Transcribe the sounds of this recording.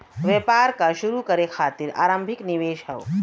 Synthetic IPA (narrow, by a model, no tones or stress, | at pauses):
ʋjepaːɾkaʃʊɾukəɾekʰaːt̪iɾa̰ːɾə̃mbʱɪknɪʋeːʃɦɛo